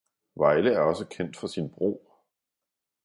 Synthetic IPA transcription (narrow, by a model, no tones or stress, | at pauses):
ʋɑ̈ɪləæɐɒ̽səkʰen̰d̥fɒ̽sinb̥ʁo̝̰ː